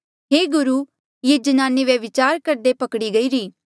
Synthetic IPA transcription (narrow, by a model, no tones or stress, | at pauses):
ɦeːɡʊɾu | jed͡ʒɐnaːniʋeʋɪt͡ʃaːɾkɐɾd̪epɐkɽiɡɐiːɾiː